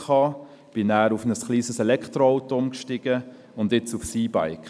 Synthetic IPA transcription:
ɑː | b̥ɪnæːɾufnəsχliːzəsɛlɛkχtɾoaʊtɔmkʃtɪɡ̥ə | ʊndɪt͡sufsiːba̰ɪk

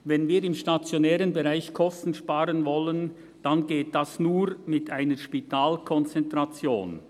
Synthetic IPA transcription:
vɛnviːɾɪmʃtat͡sjonɛːɾənbeʁaɪçkʰɔstn̩ʃpaːɾənvɔlən | d̥anɡeːt̚d̥asnuːɾmɪtʰʔaɪnəʃpitʰaːlkʰɔnt͡sɛntʁat͡sjo̰ːn

